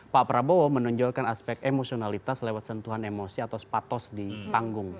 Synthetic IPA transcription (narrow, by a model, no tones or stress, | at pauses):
paʔpɾabowɔmənɔɲd͡ʒɔrkanaspɛk̚t̪emosionalit̪aslewat̪̚sənt̪uɦanemosiat̪awspat̪ɔsdit̪aŋɡʊŋ